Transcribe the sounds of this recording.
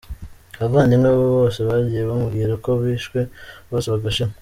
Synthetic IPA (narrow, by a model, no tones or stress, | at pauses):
aβaːndimŋeβoβose̞βaɟijeβamuɡiːɾako̞βiːʃkwe̞βoseβaɡaʃima